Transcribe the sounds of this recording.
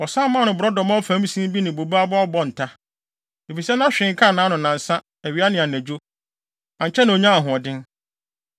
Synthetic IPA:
ɔ˨sã˦mãː˦nʊ̃˨bʊ˨ɾɔ˦dɔ˨mã˦ɔ˦fæ̃˨˦m˦sĩ˦bi˦nɪ̃˨bo˨ba˦a˦bɔ˦ɔ˦bɔ˦n̩˨tʰa˦ | e˨fi˨sɛ˦nã˦ɕᶣɪ̃˨˦ŋ˦kʰa˦˨nãː˨˦nʊ̃˨nã˨n˨sã˦ | æ˨ɥi˨˦a˦nɪ̃˨a˨næ̃˨d͡ʑᶣo˦ | ã˨ɲ˨t͡ɕʰɛ˦nã˨o˨ɲã˦a˨ɦʊ̃˨ɔ˨dɪ̃˦n

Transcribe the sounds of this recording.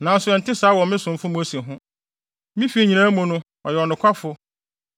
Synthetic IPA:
nã˨n̩˦sʊ˦ɛ˨n̩˨tʰɪ˦sa˨˦wɔ̃˨mɪ̃˦sʊ̃˨m˦fʊ̃˦mũ˦æ˦sĩ˨ɦʊ̃˦ | mɪ̃˦fi˦˨ɲĩ˨nã˦mʊ̃˨nʊ̃˦ | ɔ˨jɛ˨ɔ˨nʊ̃˨kʷʰa˦fʊ˦

